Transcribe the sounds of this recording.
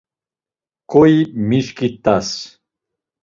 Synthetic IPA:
kʰʼɔimiʃkʰʼit̪ʼas

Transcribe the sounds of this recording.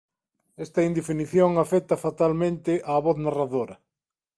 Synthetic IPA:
ɛst̪ɐind̪efiniθjoŋafɛt̪ɐfat̪almẽnt̪ɪʔaːβɔθnaraðoɾɐ

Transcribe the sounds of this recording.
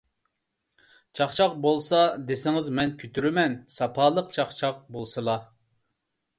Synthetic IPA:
t͡ʃʰɑχt͡ʃʰɑq̚bolˠsɑd̪esɪŋɪzmɛnkʲʰyt̪ʰyɾymɛnsɑpʰɑːlˠəqt͡ʃʰɑχt͡ʃʰɑq̚bolˠsɨlˠɑ

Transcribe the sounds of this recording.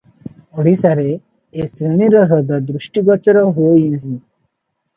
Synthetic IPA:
oɽisaɾe | esɾeniɾɔɦɔd̪ɔd̪ɾuʃʈiɡɔt͡ʃɔɾɔɦuojnaɦĩ

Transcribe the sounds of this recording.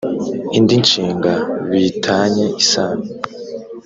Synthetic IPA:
indint͡ʃiːŋɡaβitʰaːɲeisaːni

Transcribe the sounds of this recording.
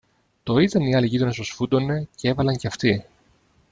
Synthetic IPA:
t̪o̞it̪ɐniɐliʝit̪ɾonesosfud̪o̞ne̞cee̞vɐlɐɲceɐft̪i

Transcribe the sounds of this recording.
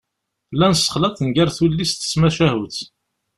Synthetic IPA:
lænsə̥χlɑt̪ˤənɡæɾθulːist̪ə̥smæʃæhuθ

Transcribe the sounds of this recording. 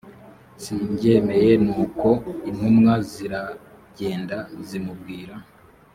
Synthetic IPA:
siɲɟe̞ːme̞je̞nuːko̞in̥humŋaziɾa | ɟe̞ːndazimubɡiːɾa

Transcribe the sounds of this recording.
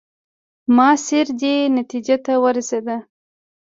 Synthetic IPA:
mɑseɾd̪enat̪id͡ʒat̪awəɾased̪a

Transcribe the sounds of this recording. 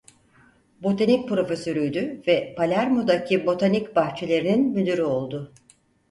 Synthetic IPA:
bo̞t̪ʰanic̚ʲpɾo̞fesø̞ɾyjd̪yvɛpʰalʲæɾmod̪acʰibo̞t̪ʰanicbaxt͡ʃʰe̞lʲe̞ɾininmyd̪yɾyo̞lˠd̪ʊ

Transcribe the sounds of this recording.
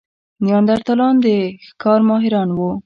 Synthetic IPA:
njɑnd̪aɾt̪alɑnd̪əxkɑɾmɑɦɪɾɑnwu

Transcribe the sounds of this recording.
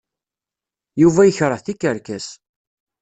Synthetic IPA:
juvæjəçɾˤəθikːəɾkæs

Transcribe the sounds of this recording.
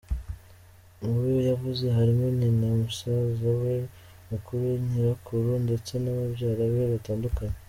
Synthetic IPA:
uujojavuze̞ɦaɾimoninamusazawe | mukuɾuɲiɾakʰuɾundet͡se̞naβabɟaːɾaβeβataːndukaɲe

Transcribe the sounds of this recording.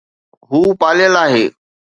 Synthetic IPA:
ɦuːpaːlɪjəlaːɦeː

